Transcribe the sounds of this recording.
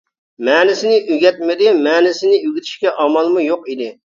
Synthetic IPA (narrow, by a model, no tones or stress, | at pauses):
mɛːnɪsɪnɪʔyɡʲɛt̪̚mɪd̪ɪmɛːnɪsɪnɪyɡʲit̪ʰi̥ʃkʲɛʔɑmɑlˠmujoqid̪ɪ